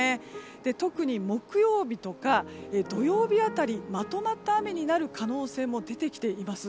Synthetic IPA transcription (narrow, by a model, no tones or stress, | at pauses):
e | d̪̥e̞t̪o̞kɯ̟ɲ̟imo̞kɯ̟jo̞ːbʲit̪o̞kaed̪o̞jo̞ːbʲiat̪aɾʲimat̪o̞mat̪ːame̞ɲ̟inaɾɯ̟kano̞ːse̞ːmo̞d̪e̞t̪e̞kʲi̥t̪e̞imasɨ